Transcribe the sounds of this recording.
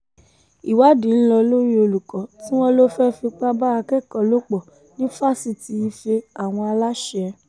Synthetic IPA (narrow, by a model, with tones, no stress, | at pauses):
i˨wa˦dĩ˨n̩˦lɔ˧lo˦ji˦o˧lu˨kɔ̃˨tĩ˦w̃ɔ̃˦lo˦fɛ˦fi˧k͡pa˦ba˦a˧kɛ˦˨kɔ̃˨lo˦k͡pɔ˨ | nĩ˦fa˦˨si˨ti˨˧i˧fe˧a˨w̃ɔ̃˧a˧la˦ʃɛ˧